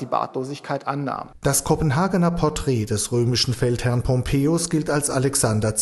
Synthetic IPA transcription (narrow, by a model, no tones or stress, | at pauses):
d̥iːba̰ːtloːzɪçkʰaɪtʔanːa̰ːmd̥askʰɔpən̩ɦaːɡənɐpʰɔɐtʁ̥ɛːdɛsʁøːmɪʃn̩fɛlthɛɐnpʰɔmpʰeːosɡ̥ɪltalsalɛksandɐt͡s